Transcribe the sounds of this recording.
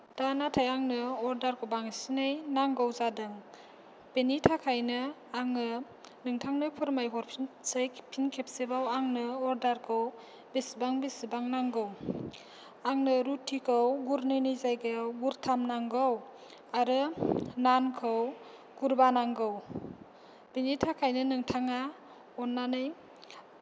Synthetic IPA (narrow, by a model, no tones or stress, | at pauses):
d̥anatʰajaŋnɯɔɾdaɾkʰɯwbaŋsinɯjnaŋɡɔwzadɯŋ | penitʰakʰajnɯaŋnɯ | nɯŋtʰaŋnɯpʰɔɾmajɦɔɾpʰsajpʰinkʰep̚sebawaŋnɯɔɾdaɾkʰɯw | besibaŋbesibaŋnaŋɡɯw | aŋnɯɾutʰːikʰɯwɡuɾnɯnɯjzajɡɯjawɡuɾtʰamnaŋɡɯw | aɾɯnankʰɯw | ɡ̥uɾbanaŋɡɯw | b̥enitʰakʰajnɯnɯŋtʰaŋa | ɔnːanɯj